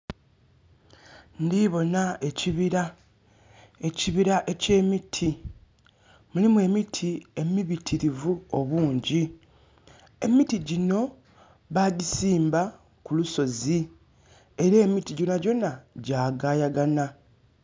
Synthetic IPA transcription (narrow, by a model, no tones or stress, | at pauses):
ndiβo̞naeciβiɾa | eciβiɾaʔece̞ːmitʰi | mulimwe̞ːmitʰie̞miβitʰiɾivuo̞βuːɲɟi | e̞mitiɟino̞ | βaɟisiːmba | kuluso̞zi | e̞ɾe̞ːmitiɟo̞naɟo̞naɟaːɡaːjaɡana